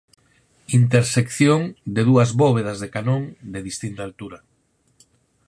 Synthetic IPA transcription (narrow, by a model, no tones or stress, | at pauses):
int̪eɾsekθjoŋd̪eðuɐzβoβeðazðekanõŋd̪eðist̪int̪alt̪uɾɐ